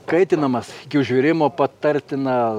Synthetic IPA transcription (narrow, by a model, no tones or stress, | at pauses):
kɐɪt̪ʲɪnɐmɐsɪkʲɪʊʒʲʋʲɪɾʲɪmoːpɐt̪ɐɾʲt̪ʲɪnɐ